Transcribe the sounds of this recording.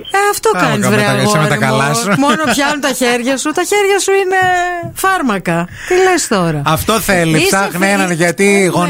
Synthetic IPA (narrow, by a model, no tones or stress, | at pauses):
eɐft̪o̞kɐnizvɾeɐɣomɐɾt̪ɐikɐlɐsmonopçɐnunt̪ɐçe̞ɾʝɐsut̪ɐçe̞ɾʝɐsuine̞fɐɾmɐkɐ | t̪ile̞st̪o̞ɾɐɐft̪o̞θelisɐɣnenɐnʝɐt̪iɣo